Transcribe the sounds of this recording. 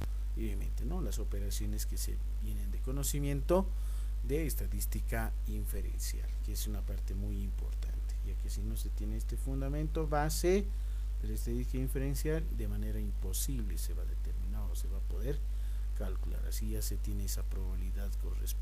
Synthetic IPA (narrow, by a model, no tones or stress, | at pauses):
oβjamẽ̞nt̪eno̞laso̞pe̞ɾasjo̞neskesḛ | bje̞ne̞nd̪eko̞no̞simje̞nt̪o | d̪eːst̪aðist̪ika | iɱfeɾḛnsja̰lkeesunapaɾt̪e̞mujimpo̞̰ɾt̪a̰nt̪eʝakesino̞se̞t̪je̞neest̪e̞fund̪amẽnt̪o̞βase | d̪elaest̪aðist̪ikaiɱfe̞ɾensjald̪e̞mane̞ɾaimpo̞siβle̞seβaðe̞t̪eɾmĩnaðose̞βapo̞ðe̞ɾ | kalkula̰ɾa̰siʝase̞t̪je̞neesapɾoβaβiliðaðkonrḛs